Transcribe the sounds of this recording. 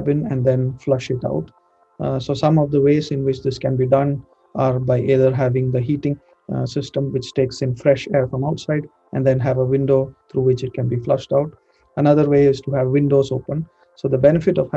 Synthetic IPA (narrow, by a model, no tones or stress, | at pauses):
bɪ̃nɛ̃nd̪ɛ̃nflʌʃɪʈa̰ʊʈ | soːsʌ̃mɔʋd̪əʋeːzɪ̃nʋɪt͡ʃd̪ɪskɛ̃nbiːɖʌ̃n | ʔaɾbaɪʔeːd̪əɾɦæʋɪ̃ŋd̪əɦiːʈɪ̃ŋ | sɪsʈə̃mʋɪt͡ʃʈeːksɪ̃nfɾɛʃeːɾfɾɔ̃maʊʈsaɪɖ | ʔɛ̰̃nd̪ɛ̃nɦæʋəʋɪ̃nɖoːt̪ʰɾuːʋɪt͡ʃɪʈ̚kɛ̃nbiːflʌʃʈaʊʈ | ənʌd̪əɾʋeːɪz̥ʈuɦæʋːɪ̃nɖoːzo̰ːpə̃n | soːd̪əbɛnɪfɪʈɔʋh